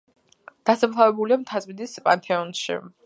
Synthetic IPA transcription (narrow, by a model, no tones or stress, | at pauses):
d̪̥asapʰlˠavɛbuliamt̪ʰazmid̪ispʼant̪ʰʼɛɔnʃḭ